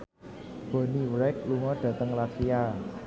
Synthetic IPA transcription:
b̥o̤niwɾɛk̚luŋɔɖ̥ä̤t̪əŋlasia

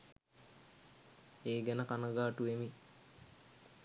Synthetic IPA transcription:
eːɡɛnəkanəɡaːʈuemi

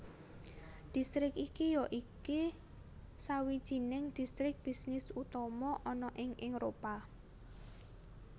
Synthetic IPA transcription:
d̥i̤st̪ɾɪkikijɔʔike | sawid̥ʒ̥i̤nɪŋd̪̥i̤st̪ɾɪk̚b̥i̤snɪsut̪ɔmɔʔɔnɔʔɪŋɪŋɾopa

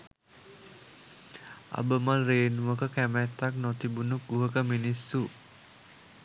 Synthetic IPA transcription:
ʔa̰bəmalɾenwəkakɛmɛt̪ak̚nɔt̪ibunuk̚ɡuɦəkaminisu

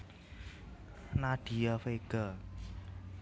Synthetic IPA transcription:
naɖ̥ijafeɡ̥a

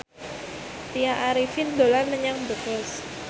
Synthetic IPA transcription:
t̪ijaʔaɾifind̪olanməɲaŋbəkɛs

